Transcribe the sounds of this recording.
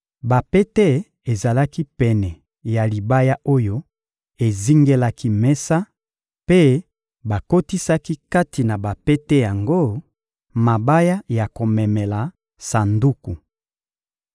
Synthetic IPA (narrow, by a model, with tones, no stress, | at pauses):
ba˨pe˦tɛ˦ | e˨za˨la˦ki˦pɛ˨nɛ˨ | ja˨li˨ba˦ja˦ʔo˦jo˦ | e˨zi˦ŋɡe˦la˦ki˦mɛ˦sa˦ | pe˦ | ba˨ko˦ti˦sa˦ki˦ka˦ti˨na˨ba˨pɛ˦tɛ˦ja˨ŋɡo˦ | ma˨ba˦ja˦ja˨ko˨mɛ˨mɛ˨la˨ | sa˨ndu˦ku˨